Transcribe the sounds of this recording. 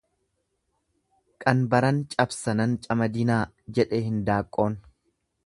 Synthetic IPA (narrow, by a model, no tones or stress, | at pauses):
kʼɐnbɐɾɐnt͡ʃʼɐbsɐnɐnt͡ʃʼɐmɐd̪ɪnaː | d͡ʒɛᶑeːhɪnd̪aːkʼːoːn